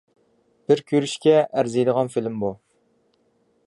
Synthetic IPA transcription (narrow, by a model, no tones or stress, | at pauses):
b̥ɪɾkʲʰøɾyʃkʲɛʔæɾzejd̪əʁɑnfilmbu